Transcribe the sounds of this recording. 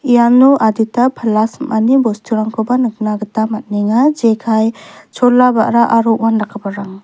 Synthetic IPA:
ijamnuʔaditapʰəlasmʔanibɔstʰuɾaŋkʰɔbanɯk̚naɡɯtamat̚niŋad͡ʒekʰajt͡ʃʰɔlːaba̰ʔɾaʔaɾɔʔwanɾakʰːabaɾaŋ

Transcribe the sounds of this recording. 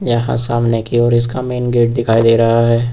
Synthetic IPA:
jɐɦã̰saːmnekiɔːɾɪskameːnɡeːʈ̚d̪ɪkʰaːid̪eːɾɐɦaɦɛː

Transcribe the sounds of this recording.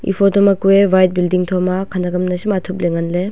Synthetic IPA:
ḭpʰɔtɔmɐkuebajt̚bildiŋtʰɔmakʰandaɡɐmnɐsimatʰup̚leŋɐnle

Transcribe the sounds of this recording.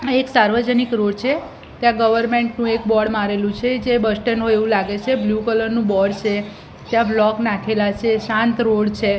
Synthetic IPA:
eksaɾʋəd͡ʒənikɾoɽt͡ʃʰe | t̪jãɡəʋəɾmeɳʈnũekbɔɽmaɾelũt͡ʃʰed͡ʒebəsʈənɦoeʋũlaɡet͡ʃʰebljukələɾnũbɔɽt͡ʃʰe | t̪jãblɔknãkʰelat͡ʃʰeʃãnt̪ɾoɽt͡ʃʰe

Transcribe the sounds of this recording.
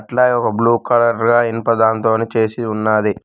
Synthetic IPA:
ʈlɐjɔkɐbluːkɐlɐɾɡaːinpɐd̪aːnt̪o̞ːnit͡ʃe̞ːsiunːaːd̪i

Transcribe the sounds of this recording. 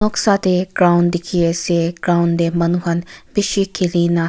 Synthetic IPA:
oksat̪eɡɾaʊnd̪ɪkʰieseɡɾaːwʊnd̪emɐnuɦɐnbɪʃikʰiliːna

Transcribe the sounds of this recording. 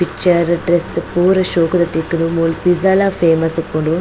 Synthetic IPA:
pit͡ʃɐɾɖɾespuːɾɐʃoːkud̪ɐt̪ikːunumuːlpizɐlapʰeːmɐsukːoɳɖu

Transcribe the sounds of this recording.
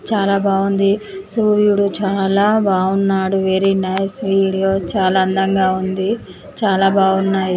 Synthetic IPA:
t͡ʃaːlaːbaːɡund̪i | suːɾjuɽut͡ʃaːlaːbaːunːaːɽuʋeːɾinɐjsʋiːɽijoːt͡ʃaːlaːɐnd̪ɐŋɡaːund̪i | t͡ʃaːlaːbaːunːaːji

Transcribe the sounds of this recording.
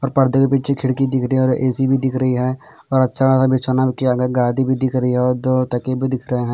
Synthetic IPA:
ɔːɾpɐɾd̪ʱəkepit͡ʃʰekʰɪɽkid̪ɪkʰɾəiɦɛɔːɾʔeːsibʱid̪ɪkʰɾəɦiɦɛ | ɔːɾɐtːʃʰaasabʱit͡ʃʰonabkiaːɡaɡaːd̪ibʱid̪ɪkʰɾɐɦiɦɛɔːɾd̪oːt̪ɐkebʱid̪ɪkʰɾəɦeɦɛ̃ː

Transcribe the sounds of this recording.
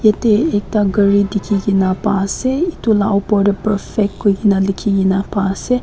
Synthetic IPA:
jeteek̚taɡəɹidikʰiɡinapaseitulaʔopɔdəpəɾfɛk̚t̚kːoɡinalikʰiɡinapase

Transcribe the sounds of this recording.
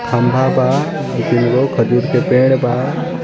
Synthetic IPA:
t̪ʰambʱaba | ukinɡokʰəd͡ʒuɾkʰepẽɽbʱa

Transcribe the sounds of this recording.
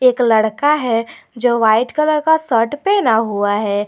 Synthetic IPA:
eːklɐɽkaɦɛd͡ʒoːʋaːɪʈkələɽkasəʈpenaɦuaɦɛː

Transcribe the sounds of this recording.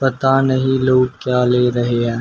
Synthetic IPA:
pɐt̪anɐɦĩloːɡ̚kjaːleːɾɐɦeɦɛ̃ː

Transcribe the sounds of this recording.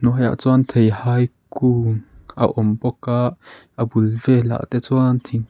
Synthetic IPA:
nɔɦja̰ʔt͡swant̪ʰejhaːjkuːŋʔə̰ʔɔmpɔkaʔ | əbulvɛla̰ʔt̪ɛt͡swant̪ʰiŋ

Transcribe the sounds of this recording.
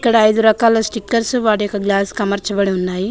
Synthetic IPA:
kːɐɽɐːjd̪uɾɐkaːlɐsʈikːɐɾsʋaːɽujɔkːɐɡlaːskɐmɐɾt͡ʃɐbɐɽiunːaːji

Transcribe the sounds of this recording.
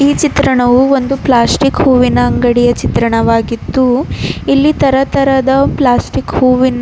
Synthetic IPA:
iːt͡ʃit̪ɾɐɳɐʋuo̞nd̪uplaːsʈikhuːʋinɐːŋɡɐɽijɐt͡ʃit̪ɾɐɳɐʋaːɡit̪ːuilːit̪ɐɾɐt̪ɐɾɐd̪ɐplaːsʈikhuːʋin

